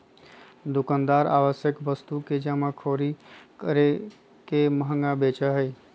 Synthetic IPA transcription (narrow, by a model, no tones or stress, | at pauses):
d̪ukand̪aɾa̰ʋəsjəkbəst̪uked͡ʒamakʰoɾikəɾe | keməɦəŋɡabet͡ʃəɦəj